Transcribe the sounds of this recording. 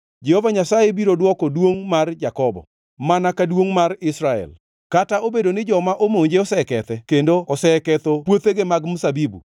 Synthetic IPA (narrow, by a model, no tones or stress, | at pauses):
d͡ʒɛhovaɲasajebiɾodwɔkɔdwoŋmard͡ʒakɔbɔ̰ | manakadwoŋmarɪsɾaɛ̰l | kataobedonɪd͡ʒɔmaʔomoɲd͡ʒeɔsɛkɛt̪ɛkendoɔsɛkɛt̪opwot̪eɡemaɡmusabibṵ